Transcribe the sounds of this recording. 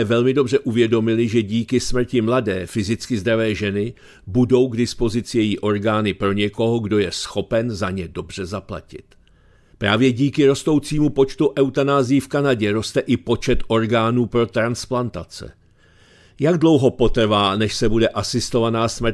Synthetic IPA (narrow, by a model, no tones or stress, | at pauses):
ɛvɛlmɪdo̞br̝ɛʔuvjɛdo̞mɪlɪʒɛɟiːkɪsmr̩cɪmladɛːfɪzɪt͡skɪzd̪ɾavɛːʒɛnɪ | budo̞wɡdɪspo̞zɪt͡sɪjɛjiʔo̞ɾɡaːnɪpɾo̞ɲɛko̞ɦoɡdo̞jɛsxo̞pɛnzaɲɛdo̞br̝̥ɛzapla̰cɪ̰t̪ | pɾaːvjɛɟiːkɪɾo̞st̪o̞wt͡siːmupo̞t͡ʃt̪uʔɛwt̪anaːzɪjifkanaɟɛɾo̞st̪ɛʔɪpo̞t͡ʃɛt̪ʔo̞ɾɡaːnuːpɾo̞t̪ɾansplant̪at͡sɛ̰ | jaɡdlo̞wɦo̞po̞t̪r̩vaːnɛʃsɛbudɛʔasɪst̪o̞vanaːsmr̩t̪